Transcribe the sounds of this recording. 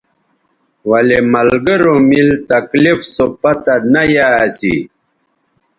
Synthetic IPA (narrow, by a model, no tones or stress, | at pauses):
wɐlemɐlɡəɾomilt̪ɐklifsopɐt̪anajasḭ